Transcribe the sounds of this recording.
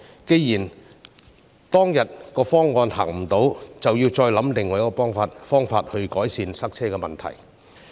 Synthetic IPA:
ke˧jjiː˨˩n | t̪ɔː˥ŋjɐ˨t̚kɔː˧fɔː˥ŋːɔː˧nha̰ː˨˩ŋm̩˨˩t̪o˨˥wt͡sɐ˨wjiː˧wt͡ʃɔː˧jlɐ˨˥mlɪ˨˩ŋːɔː˨˩jkɔː˧pɔː˥ŋfaː˧t̚fɔː˥ŋfaː˧t̚hɵ˧ɥkɔː˨˥jsiː˧nsɐ˥k̚t͡sʰɛː˥kɛː˧mɐ˨˩nt̪ʰɐ̰˨˩j

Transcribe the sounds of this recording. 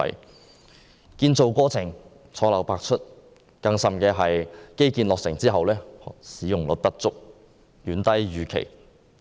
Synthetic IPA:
j | kiː˧nt͡so˨˧wkɔː˥t͡sʰɪ˨˩ŋ | t͡sʰɔː˨˥lɐ˨˩wpaː˧k̚t͡ʃʰɵ˥t̚ | kɐ˧ŋsɐ˨mkɛː˧ɦɐ˨jke˥jkiː˨˧nlɔː˨k̚sɪ˨˩ŋt͡siː˥ɦɐ˨wlɛː˥˨siː˨˥jʊ˨˩ŋlɵ˨˧t̚pɐ˥t̚t͡sʊ˥k̚ | ɥyː˨˥nt̪ɐ˥jɥyː˨kʰḛ˨˩j

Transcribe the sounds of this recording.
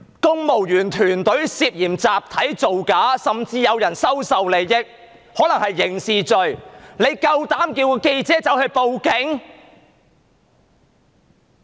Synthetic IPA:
kʊ˥ŋmo˨˩wjyː˨˩nt̪ʰyː˨˩nt̪ɵ˨˥ɥsiː˧p̚jiː˨˩mt͡saː˨p̚t̪ʰɐ˨˥jt͡so˨wkaː˨˥sɐ˨mt͡siː˧jɐ˨˧wjɐ˨˩nsɐ˥wsɐ˨wle˨jjɪ˥k̚ | hɔː˨˥lɐ˨˩ŋhɐ˨jːɪ˨˩ŋsiː˨t͡ʃɵ˨ɥne˨˧jkɐ˧wt̪aː˨˥mkiː˧wkɔ˧ke˧jt͡sɛː˨˥t͡sɐ˨˥whɵ˧ɥpo˨wkɪ˨˥ŋ

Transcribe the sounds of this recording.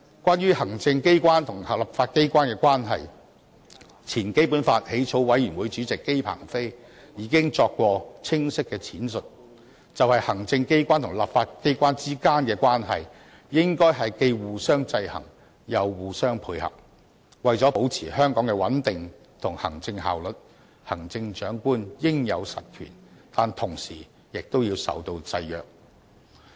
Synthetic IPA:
kwaː˥nɥyː˥hɐ˨˩ŋt͡sɪ˧ŋke˥jkʷaː˥nt̪ʰʊ˨˩ŋ˨lɐ˨p̚faː˧t̚ke˥jkʷwʷaː˥nkɛː˧kʷwaː˥nɦɐ̰˨j | t͡sʰiː˨˩nke˥jpu˨˥nfaː˧t̚he˨˥jt͡ʃʰo˨˥wwɐ˨˥jyː˨˩nwuː˨˧jt͡ʃyː˨˥t͡sɪ˨kːe˥jpʰa̰ː˨˩ŋfe˥j | jiː˨˧˥kɪ˥ŋt͡sɔː˧kːʷɔː˧t͡sʰɪ˥ŋsɪ˥kːɛː˧t͡sʰiː˨˥nsɵ˨t̚ | t͡sɐ˨whɐ˨jhɐ˨˩ŋt͡sɪ˧ŋke˥jkʷwʷaː˥nt̪ʰʊ˨˩ŋlɐ˨pfaː˧tke˥jkʷaː˥nt͡siː˥kaː˥nkɛː˧kwaː˥nɦɐ̰˨j | jɪ˥ŋkɔː˥jɦɐ˨jke˧jwuː˨sœː˥ŋt͡sɐ˧jhɐ̰˨˩ŋ | jɐ˨˧wːuː˨sœː˥ŋpʰuː˧jhɐ̰˨p̚ | wɐ˨jt͡sɔː˨˥po˨˥wt͡sʰiː˨˩hœː˥ŋkɔː˨˥ŋkɛː˧wɐ˨˥nt̪ɪ˨ŋ | t̪ʰʊ˨˩ŋhɐ˨˩ŋt͡sɪ˧ŋɦa̰ː˨wlɵ˨t̚ | hɐ˨˩ŋt͡sɪ˧ŋt͡ʃœː˨˥ŋkuː˥njɪ˥ŋjɐ˨˧wsɐ̰˨t̚kʰy̰ː˨˩nt̪aː˨˩nt̪ʰʊ˨˩ŋsiː˨˩ | jɪ˨k̚t̪o˥wjiː˧wsɐ̰˨wt̪o˧wt͡sɐ˧jjœ̰ː˨k̚

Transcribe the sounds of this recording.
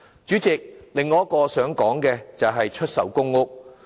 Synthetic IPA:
t͡ʃyː˨˥t͡sɪ˨k̚lɪ˨ŋːɔː˨˧ɐ˥kɔː˧sœː˨˥ŋkɔː˨˥ŋkɛː˧t͡sɐ˨wɦɐ˨jt͡ʃʰɵ˥t̚sɐ˨wkʊ˥ŋːʊ˥k̚

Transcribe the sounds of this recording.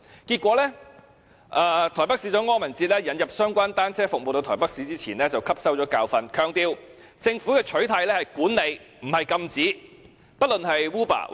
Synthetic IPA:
kiː˧t̚kʷɔː˨˥lɛː˥ | ʔaː˧t̪ʰɔː˨˩jpɐ˥k̚siː˧˥t͡sɔː˨˥ŋɔː˥mɐ˨˩nt͡siː˧t̚lɛː˥jɐ˨˥njɐ˨p̚sœː˥ŋkʷaː˥nt̪aː˥nt͡sʰɛː˥fʊ˨k̚mo˨wt̪o˧wt̪ʰːjpɐ˥k̚siː˨˥t͡siː˥t͡sʰiː˨˩nlɛː˥t͡sɐ˨wkʰɐ˥p̚sɐ˥wt͡ʃɔː˨˥kaː˧wfɐ˧nkʰœː˨˧ŋt̪iː˧w | t͡sɪ˧ŋfu˨˥kɛː˧t͡ʃʰɵ˨˥ɥt̪ʰɐ˧jlɛː˥hɐ˨jkuː˨˥nle˨˧j | m̩˨˩hɐ˨jkɐ˧mt͡siː˨˥ | pɐ˥t̚lɵ˨nhɐ˨jwuː˥pa̰ː˨˩

